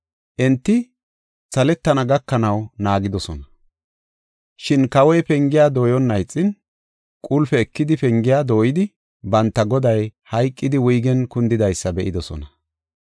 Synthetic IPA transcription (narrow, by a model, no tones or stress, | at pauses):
ʔɛnt̪ːɪ | sɐlɛt̪ːɐnɐɡɐkːɐnɐwnaːɡɪd̪ɔsɔnɐ | ʃɪnkɐwɔjpɛŋɡɪjaːd̪oːjɔnːɐjt͡sʼːɪn | kʼʊlfɛɛkːɪd̪ɪpɛŋɡɪjaːd̪o̞ːjɪd̪ɪ | bɐnt̪ːɐɡɔd̪ɐjhɐjkʼːɪd̪ɪwʊjɡɛnkʊnd̪ɪd̪ɐjsːɐbɛʔɪd̪ɔsɔ̰nɐ